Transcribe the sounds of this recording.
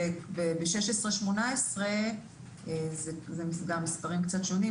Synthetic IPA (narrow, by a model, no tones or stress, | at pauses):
bebeʃeʃesʁeʃmonaesʁe | ezezemisɡamːispaʁimkt͡sat̪ʃo̞ni